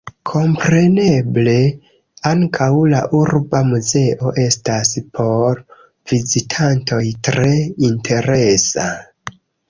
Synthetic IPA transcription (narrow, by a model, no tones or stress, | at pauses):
kʰo̞mpɾe̞ne̞ble̞ | aŋkʰawlaʔuɾbamuze̞ʔo̞ʔe̞staspʰo̞ɾ | vizitʰantʰo̞jtɾe̞intʰe̞ɾe̞sa̰